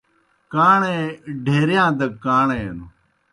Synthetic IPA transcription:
kaːɳẽːɖʱeːɾjãːd̪əkːaːɳeːnu

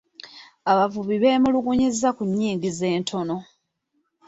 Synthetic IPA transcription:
aβavuβiβe̞ːmuluɡuɲizːakuɲːiːŋɡize̞ːntʰo̞no̞

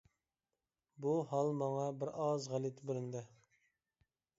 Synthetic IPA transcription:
buɦɑlˠmɑŋɑbɪɾɑzʁælˠit̪ʰɪbɪɾɪnd̪ɪ

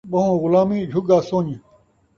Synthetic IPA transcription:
bɐ̃ɦũːɣʊlaːmĩːd͡ʑʱuɡaːsoːɲi

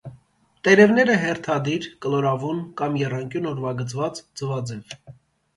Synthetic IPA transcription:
t̪ɛɾɛvnɛɾəɦɛrt̪ʰɑd̪iɾkəlɔɾɑvunkɑmjɛrɑŋkʲjunɔɾvɑɡət͡svɑt͡sd͡zəvɑd͡zɛv

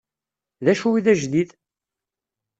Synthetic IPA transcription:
ðæʃuwiðæʒd̪ið

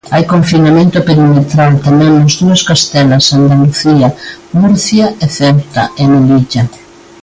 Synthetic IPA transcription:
ajkoɱfinamẽnt̪ʊpeɾimet̪ɾalt̪amɛ̃ŋnozðuɐskast̪ɛlasand̪aluθiamuɾθjaeθɛwt̪a̰emeliʝa

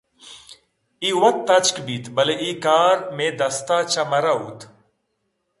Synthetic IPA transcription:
iːwɐt̪̚t̪ːɐt͡ʃkbiːt̪ʰbɐleʔiːkaːɾmẽd̪ɐst̪aːt͡ʃamɐɾaːuːt̪

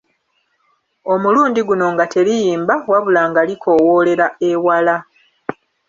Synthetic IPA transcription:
o̞muluːndiɡuno̞ŋɡatʰe̞ɾijiːmbawaβulaːŋɡalikʰo̞wole̞ɾaewala

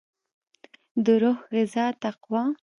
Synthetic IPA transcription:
d̪əɾʊhɣɪzɑːt̪aqwɑ̃

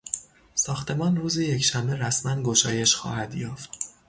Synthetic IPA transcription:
sɒːxt̪ʰe̞mɒːnruːzije̞cʰʃæmbe̞ɾæsmænɡo̞ʃɒːje̞ʃxɒ̰ːhæd̪jɒːft̪

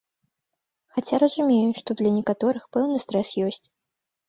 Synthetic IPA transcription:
xat͡sʲaɾɐzumʲejuʂt̪ɔd̪lʲɐnʲɛkat̪ɔɾɨxpɛwnɨst̪ɾɛsjɔsʲt͡sʲ

